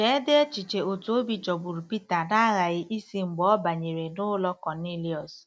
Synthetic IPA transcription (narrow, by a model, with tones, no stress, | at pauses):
ke˦de˦e˦t͡ʃi˨t͡ʃe˨o˨tu˨˦o˦bi˦d͡ʒɔ˨bu˨ɾu˨pi˦ta˨na˦ɣa˨ɣɪ˦ʔi˦si˦ŋ͡m̩˨ɡ͡bɔ˦ba˨ɲe˨ɾe˨nʊ˦lɔ˦kɔ˨ni˦li˦ɔ˨s